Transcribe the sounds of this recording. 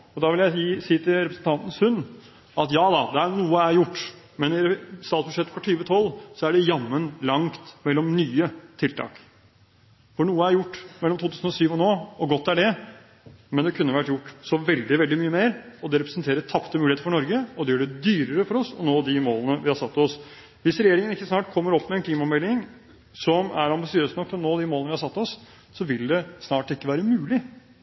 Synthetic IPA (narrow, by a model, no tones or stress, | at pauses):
ɔd̪ɑʋɪljæɪiːsiːt̪ʰɪlɾɛpɾsən̩t̪ʰɑnt̪ənəsʉnː | ɑt̪jɑːd̪ɑd̪ɛæɾnuːəæɾjʊʈː | mɛnɪɾɛst̪ɑːt̪sbʉ̥ʂɛt̪ːfʰɔʈʰyːʋət̪ʰɔlsɔæɖɛjɑmːənlɑŋt̪mɛlːɔmnyːət̪ʰɪlt̪ʰɑ̰ːk | fɔɳuːəæɾjʊʈːmɛlːɔmt̪ʰuːt̪ʰʉːsn̩ɔsyːʋɔnoːɔɡɔt̪ːæɖɛ | mɛnd̪ɛkʰʉnːəʋæʈjʊʈːsɔʋɛld̪ɪʋɛld̪ɪmyːəmeːɾɔd̪ɛɾɛpɾəsnt̪eːɾət̪ʰɑpt̪əmʉːlɪet̪əfɔɳɔɾɡəɔd̪ɛjøːɖɛd̪yːɾəɾəfɔɾɔsɔ̰noːd̪ɪmoːlənəʋɪhɑɾsɑt̪ːɔs | ʋɪsɾɛjeːɾɪŋənɪkːəsnɑːʈkʰɔmːəɾɔpːmɛɛnkʰliːmɑɔmɛlːɪŋ | sɔmæ̰ɾɑmbɪsɪøːsnɔkːt̪ɔnoːd̪ɪmoːlnəʋɪhɑɾsɑt̪ːɔs | sɔʋɪld̪ɛsnɑːʈɪkːəʋæːɾəmʉːlɪ